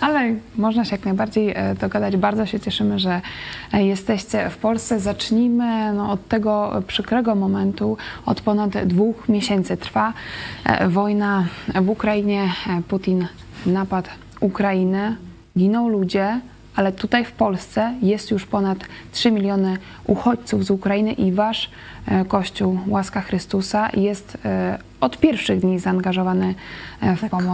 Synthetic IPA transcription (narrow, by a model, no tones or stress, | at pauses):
ʔalɛmɔʐnaɕɛjaknajbaɾd͡ʑejd̪ɔɡad̪ad͡ʑbaɾd̪ɔɕɛt͡ɕɛʂɘmɘʐɛjɛst̪ɛɕt͡ɕɛfpɔlst̪sɛzat͡ʂɲimɘnɔːt̪ːɛɡɔpʂɘkɾɛɡɔmɔmɛnt̪uɔ̰t̪pɔnad̪d̪vuxmʲjeɕɛnt̪sɘt̪ɾfa | vɔjnavukɾajiɲɛput̪ʲinː | apat̪ | ukɾajinɘ | ɡʲinɔ̃wlud͡ʑɛ | ʔalɛt̪ut̪ajfpɔlst̪sɛjɛst̪juʂpɔnat̪tʂɘmʲilʲjɔnɘ | ʔuxɔt͡ɕt̪suvzukɾajinɘʔivaʂ | kɔɕt͡ɕuwwaskaxɾɘst̪usajɛst̪ | ɔt̪pʲjɛɾfʂɘɣd̪ɲizaːŋɡaʐɔvanɘfpɔ